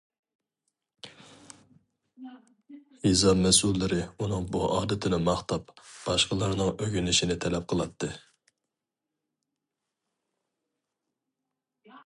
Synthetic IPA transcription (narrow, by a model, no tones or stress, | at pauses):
jizɑmɛsulːɪɾɪunɨŋbuʔɑːd̪ɪt̪ʰɪnɪmɑχt̪ʰɑpb̥ɑʃqəlˠɑɾnɨŋøɡʲynɪʃinɪt̪ʰɛlɛp̚qʰəlˠɑt̪ːɨ